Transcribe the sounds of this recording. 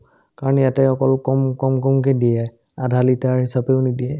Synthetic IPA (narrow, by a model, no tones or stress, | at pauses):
kaɹɔnjatɛɔkɔlkɔmkɔmkɔmkɛdiɛ | adʱalitaɹɦisapɛʊnidijɛ